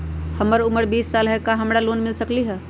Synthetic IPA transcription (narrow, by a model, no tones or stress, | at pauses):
həməɾʊməɾbiːsːaːlɦɛkaɦɐmɾaloːnmɪlsəkliɦɛː